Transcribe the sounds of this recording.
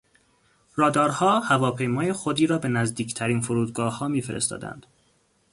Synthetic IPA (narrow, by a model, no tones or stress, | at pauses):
ɾɒːd̪ɒːɾhɒːhævɒːpʰe̞jmɒːjexod̪iːɾɒːbe̞næzd̪iːcʰt̪ʰæɾiːnfoɾuːd̪̚ɡɒːhɒːmiːfeɾest̪ɒ̰ːd̪æ̰nd̪̥